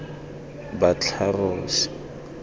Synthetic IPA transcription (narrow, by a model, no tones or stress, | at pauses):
bat͡ɬʰarʊːsɪ̥